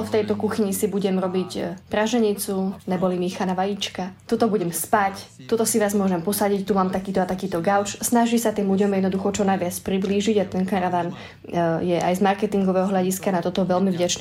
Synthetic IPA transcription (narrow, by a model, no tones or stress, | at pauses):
ft̪ɛjt̪ɔkuxiɲisibuɟɛmɾɔbicpɾaʒɛɲit͡sunɛbɔlimiːxanaʋajit͡ʃkat̪ɔt̪ɔbuɟɛmspac | t̪ɔt̪ɔsiʋaːzmʊɔʒɛmpɔsaɟict̪umaːmt̪akiːt̪ɔat̪akiːt̪ɔɡaʊt͡ʃsnaʒisat̪iːmluɟɔmjɛd̪nɔd̪uxɔt͡ʃɔnajʋɪat͡spɾibliːʒiɟat̪ɛnkaɾaʋaːn | jɛʔa̰jzmaɾkɛt̪iŋɡɔʋɛɦɔɦʎaɟiskanat̪ɔt̪ɔʋɛlmivɟat͡ʃnɛ